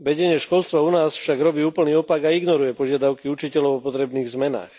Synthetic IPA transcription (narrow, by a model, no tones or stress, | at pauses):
ʋɛɟɛɲɪɛʃkɔlst̪ʋaunaːsfʃaɡɾɔbiːuːpl̩niːɔpaɡaiɡnɔɾujɛpɔʒɪad̪aʊkiut͡ʃicɛlɔʊɔpɔt̪ɾɛbniːɣzmɛna̰ːx